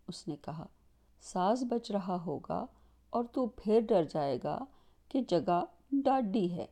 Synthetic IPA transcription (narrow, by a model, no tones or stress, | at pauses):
ʊsnekɐɦa̰ː | saːsbɐt͡ʃɾɐɦaɦoːɡa̰ | ɔːɾt̪upʰɪɾɖɐɾd͡ʒaːeːɡa̰ː | ked͡ʒɐɡa | ɖaːɖiɦɛ̰ː